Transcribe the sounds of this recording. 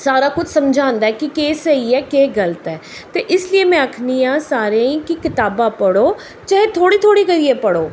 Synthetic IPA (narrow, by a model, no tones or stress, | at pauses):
saːɾaːkʊt͡ʃʰsəmd͡ʒʱãːnd̪aːɛkɪkeːsəiɛːkeːɡələt̪ɛːt̪eːʔɪslieːmɛ̃ːəkʰniːãːsaːɾeĩːkɪkɪt̪aːbaːpəɽoː | t͡ʃɛːet̪ʰoːɽiːt̪ʰoːɽiːɡəɾiːɛːpəɽoː